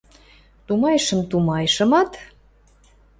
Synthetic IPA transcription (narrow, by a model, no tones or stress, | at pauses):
t̪umɑjʃə̆mt̪umɑjʃə̆mɑt̪